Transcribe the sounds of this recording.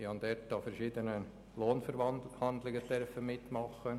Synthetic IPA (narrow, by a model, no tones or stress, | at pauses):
iɑnd̪ɛɾt̚d̥ɑːfɛɾʃiːd̪ənə | loːnfəɾhɑnd̪lɪɡət̪ɛɾfəmɪt̪ːmɑχːə